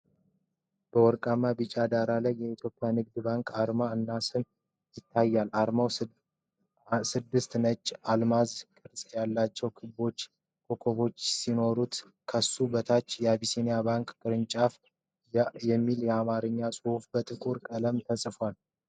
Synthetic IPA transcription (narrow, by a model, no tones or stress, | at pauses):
b̥əwɔɾkʼamːabit͡ʃʼad̪aɾalajːɛit̪ʰjo̞pʼːjanɨɡd̪ɨbaŋkʼʰaɾmaɨnːasɨn | jɪt̪ʰːajːalaɾmaw | sɨd̪ːɨst̪nət͡ʃʼːalmazkʼɨɾsʼjalːat͡ʃːɛwkʰɨbo̞t͡ʃː | kʰokʰo̞βo̞t͡ʃːsino̞ɾut̪ | kʰəsubət̪ʰat͡ʃːjɛabisinijabaŋkʼkʼɨɾɨnt͡ʃʼaf | jɛmːiljɛamaɾɨɲːasʼɨhufbət̪ʼɨkʼuɾkʼələmt̪ʰəsʼfwal